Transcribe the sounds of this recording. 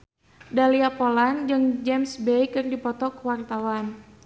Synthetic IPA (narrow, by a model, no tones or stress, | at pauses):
daliapoland͡ʒɨŋd͡ʒɛmsbejkɨrdipɔt̪ɔkəwart̪awan